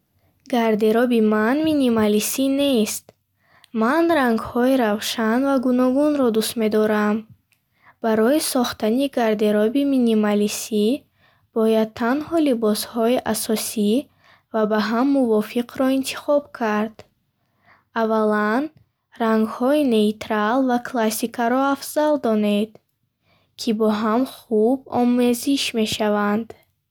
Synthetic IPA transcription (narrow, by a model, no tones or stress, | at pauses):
ɡaɾd̪e̞ɾɔbimanminimalisinest̪ | manɾaŋɡhɔiɾavʃanvaɡunɔɡunɾɔd̪ust̪me̞d̪ɔɾam | b̥aɾɔisɔχt̪aniɡaɾd̪e̞ɾɔbiminimalisi | b̥ɔjad̪̚t̪ʰanhɔlibɔshɔiʔasɔsi | vabaɦamːuvɔfiqʰɾɔint̪ʰi̥χɔbkʰaɾd̪̥ | avalan | raŋɡhɔine̞it̪ɾalvakʰlasikʰaɾɔafz̥ald̪ɔned̪ | kʰibɔɦamχub̚ɔ̰me̞ziʃme̞ʃavand̪